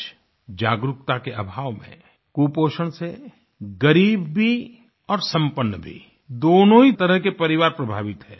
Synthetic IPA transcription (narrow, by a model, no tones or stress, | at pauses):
d͡ʒaːɡɾʊkt̪akeʔɐbʱaːʋmḛ̃ | kuːpoːʃəɽ̃se | ɡəɾiːbbʱi | ɔːɾsɐ̃mpənːbʱḭ | d̪oːnõɦit̪ɐɾəɦkepɐɾɪʋaːɾpɾɐbʱaːʋɪt̪ɦɛ̰ː